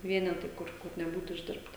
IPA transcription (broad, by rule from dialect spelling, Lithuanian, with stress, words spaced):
ˈʋʲiɛnʲɛtɐɪ ˈkʊr kʊr nʲɛˈbuːt ɪʒʲˈdʲɪrptɐ